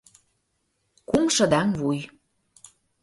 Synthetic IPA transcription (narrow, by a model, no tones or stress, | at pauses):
kumʃə̆d̪ɑŋβuj